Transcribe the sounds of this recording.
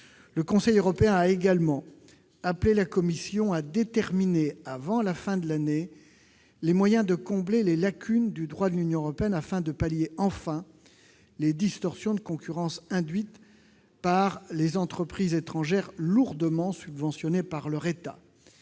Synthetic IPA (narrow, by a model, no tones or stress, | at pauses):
ləkɔ̃sɛjøʁɔpeɛ̃aeɡalmɑ̃ | aplelakɔmisjɔ̃ad̪et̪ɛʁmineavɑ̃lafɛ̃d̪əlane | lemwajɛ̃d̪əkɔ̃blelelakʲʰynd̪yd̪ʁwad̪əlynjɔ̃øʁɔpeɛnafɛ̃d̪əpaljeɑ̃fɛ̃ | led̪ist̪ɔʁsjɔ̃d̪əkɔ̃kʲyʁɑ̃sɛ̃d̪ɥit̪ | paʁlezɑ̃t̪χəpχizet̪χɑ̃ʒɛʁluʁd̪əmɑ̃sybvɑ̃sjɔnepaʁlœʁet̪a̰